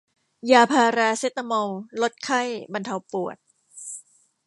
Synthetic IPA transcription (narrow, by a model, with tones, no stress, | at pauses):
jaː˧pʰaː˧ɾaː˧se˦˥t̪ːa˧mo˧wlo˦˥t̪̚kʰa˥˩jba˧nt̪ʰa˧wpu˨˩ət̪̚